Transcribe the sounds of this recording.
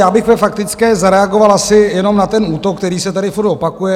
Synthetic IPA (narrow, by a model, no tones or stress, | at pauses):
jaːbɪxvɛfak̚t̪ɪt͡skɛːzaɾɛaɡo̞valasɪjɛno̞mnat̪ɛnuːt̪okːt̪ɛɾiːsɛt̪adɪfuɾt̪opakujɛ